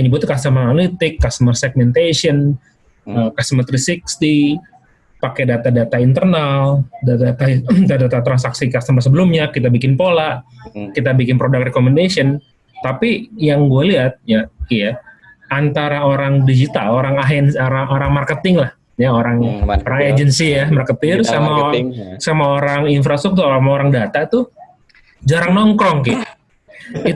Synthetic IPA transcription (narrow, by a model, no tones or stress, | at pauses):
pəɲəbʊt̪ːukast̪əmanalit̪ɪkːast̪əmərsɛɡ̚mɛnt̪esiən | əkast̪əmət̪ɾisikst̪i | pakɛdat̪adat̪aint̪ərnaldat̪at̪ad̪at̪at̪ɾansaksikast̪əmasəbəlʊmɲakit̪abikɪnpolaʔkit̪abikɪnpɾodakrekomɛndasiɔn | t̪apijaŋɡualiɦat̪̚jakija | ant̪aɾaoɾaŋdid͡ʒit̪a̰loɾaŋaɦɛnaɾaoɾaŋmarkət̪ɪŋlah | jaoɾaŋoɾaŋed͡ʒənsijamarkət̪ɪrsamasamaoɾaŋinfɾast̪ɾuk̚t̪uɾamaoɾaŋdat̪at̪u | d͡ʒaɾaŋnɔŋkɾɔŋkɪ | it